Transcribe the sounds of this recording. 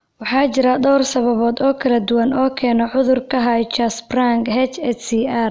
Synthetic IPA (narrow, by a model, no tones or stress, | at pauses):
wɑħɑːt͡ʃɪɾɐɖɔwrsɐβɐβɔːd̪ɔːkʰɐlɐd̪ʊwɐnɔːkʰɛːnɔʕʊðʊrkʰɐɦɐjt͡ʃɐsbraŋkhɛt͡ʃɛsiːar